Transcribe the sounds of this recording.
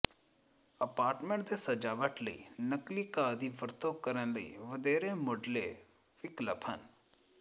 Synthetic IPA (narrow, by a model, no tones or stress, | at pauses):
əpaːɾʈmẽɳʈd̪esəd͡ʒaːʋəʈləḭːnəklikad̪iʋəɾt̪okəɾənləḭːʋəd̪eːɾemoːɖle | ʋɪkləpʰɦən